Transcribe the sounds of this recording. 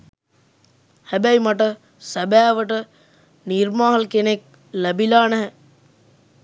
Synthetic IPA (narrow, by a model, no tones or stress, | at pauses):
hæbæjmaʈ̬ə | sæbæːʋəʈə | nirmaːɦəlkenek̚ | læbilaːnæɦɛ